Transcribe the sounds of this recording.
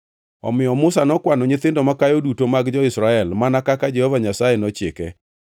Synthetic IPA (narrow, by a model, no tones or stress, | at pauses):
ɔ̰mɪjɔmʊsanɔkwanɔɲɪt̪ɪndɔmakajodutomaɡd͡ʒɔɪsɾaɛlmanakakad͡ʒɛhovaɲasajenɔt͡ʃɪkɛ